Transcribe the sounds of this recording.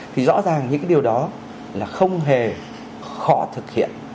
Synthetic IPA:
t̪ʰi˨˩zɔ̰˧˥zaː˨˩ŋɲɨ̰˧˥ŋ˦ɗi˨˩əwɗɔ˨˦ | laː˨˩xə˧wŋ͡mɦe˨˩ | xɔ˨˦t̪ʰɨ˨˩k̚hḭ˧˨ən

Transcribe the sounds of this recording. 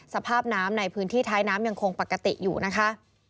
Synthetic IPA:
sa˧pʰaː˥˩p̚naː˦˥mna˧jpʰɯː˦˥nt̪ʰiː˥˩t̪ʰaː˦˥jnaː˦˥mja˧ŋkʰo˧ŋpa˨˩kːa˧t̪ḭ˨˩juː˨˩na˦˥kʰa˦˥ʔ

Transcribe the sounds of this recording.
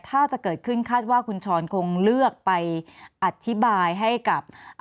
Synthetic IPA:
t̪ʰaː˥˩t͡ɕa˨˩ʔkɤː˨˩t̪̚kʰɯ˥˩nkʰaː˥˩t̪̚waː˥˩kʰu˧nt͡ɕʰɔː˧nkʰo˧ŋlɯ˥˩ək̚pa˧jʔa˨˩t̪ʰːi˦˥baː˧jɦa˥˩jka˨˩p̚

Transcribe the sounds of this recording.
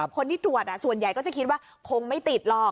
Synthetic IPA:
kʰo˧nt̪ʰiː˥t̪u˨˩ət̪̚ʔa˧˩su˨˩ənja˨˩jkɔː˥˩t͡ɕa˨˩kʰi˦˥waː˥˩ | kʰo˧ŋma˥˩jt̪i˨˩t̪̚lɔː˥˩k̚

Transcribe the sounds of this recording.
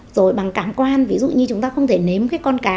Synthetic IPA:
z̥o˨˩jɓa˨˩ŋkaː˧˩mkwaː˧nvi˨˦zṵ˧˨ɲɨ˧t͡ɕʊ˨˦ŋ͡mt̪aː˧xə˧wŋ͡mt̪ʰe˧˩ne˨˦mkaː˨˦kɔ˧nkaː˨˦

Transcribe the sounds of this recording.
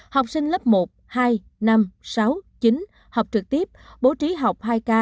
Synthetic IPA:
ha˨˩wk͡p̚sï˧ŋ̟lə˦˥p̚mo˨˩t̚haː˧j | na˧msa˨˦wt͡ɕi˨˦n | ha˨˩wk͡p̚t͡ɕɨ˨˩k̚t̪i˦˥əp̚ɓo˨˦t͡ɕi˨˦ɦa˨˩wk͡p̚haː˧jkaː˧

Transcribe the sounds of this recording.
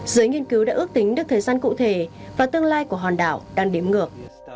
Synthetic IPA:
zɨ˨˦jŋi˧ənkɨ˨˦wɗa̰ː˧˥ʔɨ˦˥k̚t̪ï˨˦ŋ̟ɗɨ˦˥k̚t̪ʰəː˨˩jzaː˧nkṵ˧˨t̪ʰe˧˩vaː˨˩t̪ɨ˧əŋlaː˧jku˧˩əɦɔ˨˩nɗa̰ː˧˩˨wɗaː˧ŋɗi˨˦əmŋɨ˨˩ək̚

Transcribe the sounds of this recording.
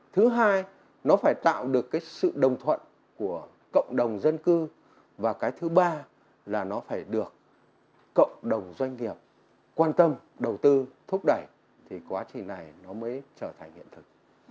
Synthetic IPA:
t̪ʰɨ˨˦ɦaː˧j | nɔ˨˦faː˧˩jt̪a̰ː˧˨wɗɨ˨˩əkːaː˨˦jsɨ̰˧˨ɗə˨˩wŋ͡mt̪ʰwə̰˧˨n | ku˧˩ə | kə̰˧˨wŋ͡mɗə˨˩wŋ͡mzə˧nkɨ˧ | vaː˨˩kaː˨˦jt̪ʰɨ˨˦ɓaː˧ | laː˨˩nɔ˨˦faː˧˩jɗɨ˨˩ək̚ː | ə̰˧˨wŋ͡mɗə˨˩wŋ͡mzwa˧jŋ̟ŋi˨˩əp̚ | kwaː˧nt̪ə˧mɗə˨˩wt̪ɨ˧t̪ʰʊ˦˥k͡p̚ɗə˧˩j | t̪ʰi˨˩kwaː˨˦t͡ɕï˨˩ŋna˨˩jnɔ˨˦məː˨˦jt͡ɕəː˧˩t̪ʰa˨˩ŋ̟hḭ˧ənt̪ʰɨ˨˩k̚

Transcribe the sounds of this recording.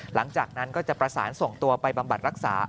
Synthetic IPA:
la˩˦ŋt͡ɕaː˨˩k̚na˦˥nkɔː˥˩t͡ɕa˨˩pɾa˧saː˩˦nso˨˩ŋt̪u˧ɐpa˧jba˧mba˨t̪̚ɾa˦˥k̚sa̰ː˩˦

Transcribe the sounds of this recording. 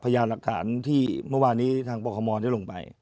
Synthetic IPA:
pʰa˧jaː˧nla˨˩k̚t̪ʰa̰ː˩˦nt̪ʰiː˥˩mɯ˥˩waː˧nːiː˦˥t̪ʰaː˧ŋpɔː˧kʰɔː˧mɔː˧da˥˩jlo˧ŋpa̰˧j

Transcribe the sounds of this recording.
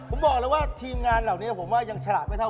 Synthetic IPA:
pʰo˩˦mbɔː˨˩k̚lɛ˦˥waː˥˩t̪ʰiː˧mŋaː˧nlaː˨˩wni˦˥ɐpʰo˩˦mwaː˥˩ja˧ŋt͡ɕʰlaː˨˩ma˥˩t̪ʰa˥˩

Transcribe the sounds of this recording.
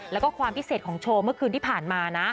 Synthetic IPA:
lɛ˦˥wkɔː˥˩kʰwaː˧mpi˦˥seː˨˩t̪̚kɔː˩˦ŋt͡ɕʰoː˧mɯ˥˩əkʰɯː˧nt̪ʰiː˥˩pʰaː˨˩nmaː˧na˦˥

